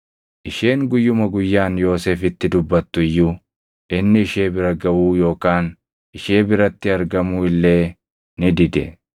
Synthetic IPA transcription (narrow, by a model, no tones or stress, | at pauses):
ʔɪʃe̞ːŋɡʊjːʊmɐɡʊjːaːnjo̞ːse̞ːfɪt̪ːɪd̪ʊbːɐt̪ːʊɪjːuː | ʔɪnːɪɪʃe̞ːbɪɾɐɡɐwuːjo̞ːkaːn | ʔɪʃe̞ːbɪɾɐt̪ːɪɐɾɡɐmuːɪlːe̞ː | nɪd̪ɪd̪ɛ̰